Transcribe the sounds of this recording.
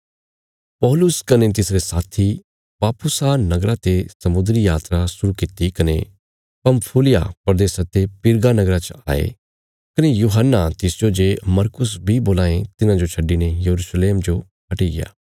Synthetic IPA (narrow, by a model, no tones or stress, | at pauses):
pɔːlʊskɐnet̪̬ɪsɾesaːt̪ʰi | paːpʰʊsanɐɡɾat̪esɐmʊd̪ɾijaːt̪ɾasʊɾukɪt̪ikɐne | pɐmpʰuːlɪja̰pɾɐd̪eːsat̪epɪɾɡanɐɡɾat͡ʃa̰ːḛ | kɐnejuːɦənːat̪ɪsd͡ʒod͡ʒemɐɾkʊs̬bʱiboːlaːẽt̪ɪnãd͡ʒot͡ʃʰɐɖːinejɐɾusleːmd͡ʒo | ɦɐʈiɡɪ̰ja̰ː